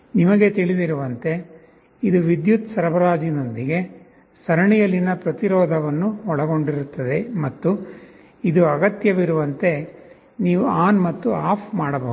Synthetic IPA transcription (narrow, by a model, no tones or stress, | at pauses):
nimɐɡe̞t̪iɭid̪iɾuʋɐnt̪e̞ | id̪uʋid̪jut̪sɐɾɐbɐɾaːd͡ʒino̞nd̪iɡe̞ | sɐɾɐɳijɐlinɐpɾɐt̪iɾɔːd̪ʱɐʋɐnːuɔɭɐɡo̞ɳɖiɾut̪ːɐd̪e̞mɐt̪ːu | id̪uɐɡɐt̪jɐʋiɾuʋɐnt̪e̞ | niːʋuaːnmɐt̪ːuaːpʰmaːɽɐbɐːu